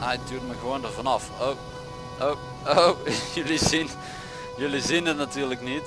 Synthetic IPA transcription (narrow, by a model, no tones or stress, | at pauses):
ajtyːtməɣəʋoːndərvɑnɑfow | o | owjɵlizin | jɵlizinətnatyːrləknit